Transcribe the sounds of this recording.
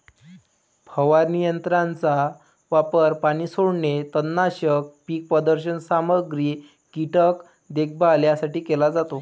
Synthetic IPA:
pʰəʋaɾnijənt̪ɾant͡sa | ʋapəɾpaɽ̃iːsoɽɳet̪ənːaɕək̚piːk̚pɾəd̪əɾɕənsaməɡɾiː | kiʈək | d̪ek̚ʰbaljasaʈiːkelad͡zat̪o

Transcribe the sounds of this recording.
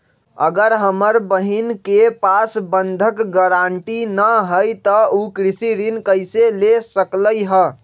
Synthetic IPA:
ə̰ɡəɾɦəməɾbəɦinkepasbənd̪ʱəkɡəɾaɳʈinəɦəjt̪əukɾisiɾinkəɪselesəkləjɦə

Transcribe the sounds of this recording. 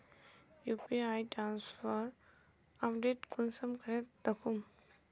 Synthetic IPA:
jupiajʈɾansfʰəɾ | apɖeʈkunsəmkəɾet̪d̪əkʰum

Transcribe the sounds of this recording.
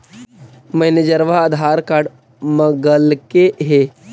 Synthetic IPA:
məjnəd͡ʒəɾʋaəd̪ʱaɾkaɾɖ | məɡəlkeɦe

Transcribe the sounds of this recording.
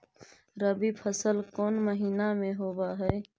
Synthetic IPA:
ɾəbipʰəsəlkoːnməɦiːnamẽɦoːbaːɦɛe

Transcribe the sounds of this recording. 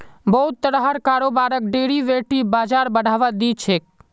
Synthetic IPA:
bəɦʊt̪̚t̪əɽaɦəɾkaːɾoːbaːɾək̚ɖeːɽiʋeːʈibaːd͡ʒaːɾbəɽ̤ʱaːʋad̪it͡ʃʰeːk̚

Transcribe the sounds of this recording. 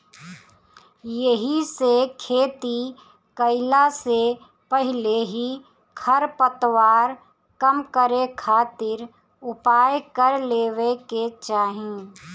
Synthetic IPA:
jəɦisekʰeːt̪i | kəɪlase | pəɦɪleɦi | kʰəɾpət̪waːɾ | kəmkəɾekʰaːt̪ɪɾ | ʊpaːjkəɾleːʋeket͡ʃaːɦĩː

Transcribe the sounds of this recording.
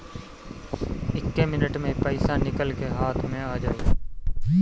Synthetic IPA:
ɪkːemɪnəʈmẽpəɪsanɪkəlkeɦaːt̪ʰmẽaːd͡ʒaːe

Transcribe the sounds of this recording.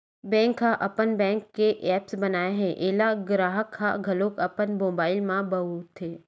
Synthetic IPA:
bɛ̃ːŋkʰːaʔɐpənbɛ̃ːŋkːeʔɛːpsbɐnaːeɦɛ̃ʔeːlaɡɾaːɦəkʰːaɡʱɐloːkəpənmoːbaːɪlmãbəut̪ʰeː

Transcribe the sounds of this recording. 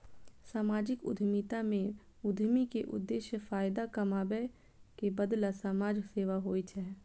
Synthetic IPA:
saːmaːd͡ʒɪkʊ̰d̪ʱmit̪amẽ | ʊd̪ʱmikeʔʊ̰d̪ːeːʃjəfaːɪd̪akəmaːbɛ | kebəd̪lasaːmaːd͡ʒseːʋaɦoːit͡ʃʰɛ

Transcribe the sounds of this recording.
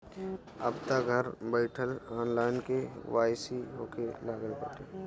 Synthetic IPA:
əbt̪aɡʱəɾbəɪʈʰəlaːnlaːjɪnkeʋaːjsiɦoːkelaːɡəlpə̰ʈeː

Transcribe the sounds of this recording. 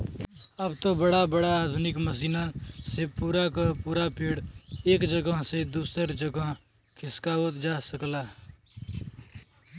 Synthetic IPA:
əbt̪obəɽabəɽaaːd̪ʱʊnɪkməs̬iːnasepuːɾakapuːɾapiːɽeːkd͡ʒəɡəɦsed̪uːsəɾd͡ʒəɡəɦ | kʰɪskaːot̪d͡ʒaːsəklaː

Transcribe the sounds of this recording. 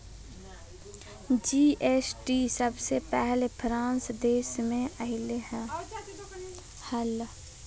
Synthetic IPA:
d͡ʒiːʔeːsʈisəbsepɛɦlepʰɾãːnsd̪eːʃmẽəɦɪleɦɛ̃ː | həl

